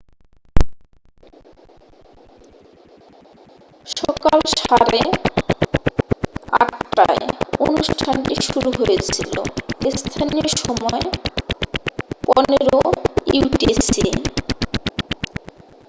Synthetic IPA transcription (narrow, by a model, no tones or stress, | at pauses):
ʃɔkalʃaɾe | a̰ʈːa̰eo̰nuʃʈʰanʈiʃuɾuɦojet͡ɕʰilo̰est̪ʰanioɾʃɔmɔe | pɔneɾouʈisi